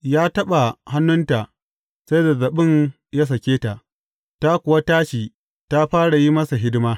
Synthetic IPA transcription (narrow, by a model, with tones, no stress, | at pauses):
jaː˦tɐ˦ɓa˨ha˦nːʊ˦nta˨ | sɐ˦jda˨zɐ˨ɓɪ˦ɲ | ja˦s̬ɐ˨kʲeː˦ta˨ʔ | ta˦kʷʊ˨wa˦taː˦ʃiː˨ | ta˦ɸaː˦ɽa˨ji˦mɐ˦sa˨ɦɪ˦dɪ˦maː˦